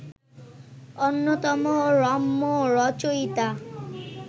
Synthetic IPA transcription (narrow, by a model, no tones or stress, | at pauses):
onːot̪ɔmoɾɔmːoɾɔt͡ʃojt̪a